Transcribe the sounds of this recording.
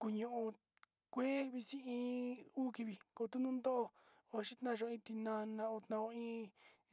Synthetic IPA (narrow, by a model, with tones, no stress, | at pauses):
ku˧ɲũ˧˨ʔũ˧ | kʷe˦βi˧sĩ˦ĩː˦˧˦uː˦ki˧βi˨ko˨˧˨t̪u˦nũ˦nd̪o˦ʔo˧ | o˧ʃi˦t̪nã˦˧ʒõ˧ĩ˧t̪i˧nã˧nã˧o˧t̪nã˧õ˧ĩː˦